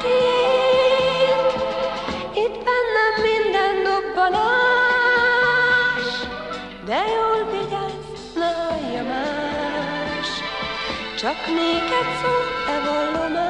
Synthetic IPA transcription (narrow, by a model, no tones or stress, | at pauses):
i | it̪bɛnːɛmːind̪ɛnːɒbːɒnɑ | ʃ | d̪ɛjoːlvid̪ɛ | nɛɔjːɒmaː | ʃ | t͡ʃɒkneːkɛt̪soːɛvolːomaː